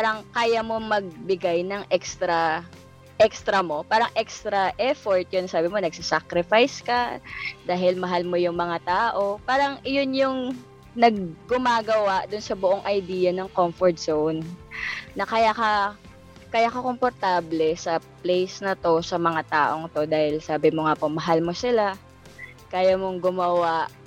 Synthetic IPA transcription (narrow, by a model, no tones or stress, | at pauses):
paːɾɐŋkaːjamo̞mɐɡ̚bɪɡajnɐŋʔɛkst̪ɾɐ | ʔɛkst̪ɾɐmo̞paːɾɐŋʔɛkst̪ɾɐʔɛfoɹt̪̚jonsaːbɪmo̞nɐɡ̚sasakɾɪfajskɐd̪aːɦɪlmɐɦalmo̞jʊŋmɐŋat̪aːʔo̞paːɾɐŋɪjonjʊŋ | nɐɡ̚ːʊmaːɡɐwaʔd̪ʊnsɐbʊʔoŋʔɐjd̪iːjɐnɐŋkomfoɹt̪̚sownː | ɐkɐjaːkɐ | kɐjakɐko̞mpoɾt̪aːblɛsɐplɛjsnɐt̪o̞sɐmɐŋat̪a̰ːʔo̞ŋt̪o̞d̪aːhɪlsaːbɪmoŋaːpomɐɦalmo̞sɪla | kaːjamoŋɡʊmɐwaʔ